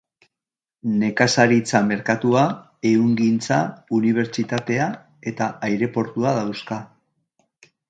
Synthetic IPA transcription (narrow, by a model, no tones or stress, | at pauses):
ne̞kasaɾit͡same̞ɾkat̪ua | e̞uŋɡint͡sauniβ̞e̞ɾt͡ʃit̪at̪e̞a | e̞t̪aajɾe̞po̞ɾt̪uað̞awska